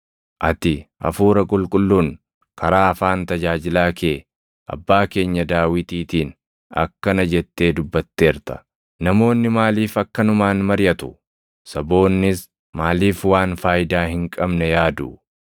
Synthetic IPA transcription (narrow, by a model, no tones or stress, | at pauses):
ʔɐt̪ɪʔɐ̰fuːɾɐkʼʊlkʼʊlːuːn | kʰɐɾaːɐfaːnt̪ɐd͡ʒaːd͡ʒɪlaːke̞ː | ʔɐ̰bːaːke̞ːɲːɐd̪aːwɪt̪iːt̪iːn | ɐ̰kːɐnɐd͡ʒɛt̪ːe̞ːd̪ʊbːɐt̪ːe̞ːɾt̪ɐ̥ | nɐmo̞ːnːɪmaːliːfɐkːɐnʊmaːnmɐɾjɐt̪ʊ̥ | sɐbo̞ːnːɪs | maːliːfwaːnfaːjɪd̪aːhɪŋkʼɐbnɛjaːd̪ʊ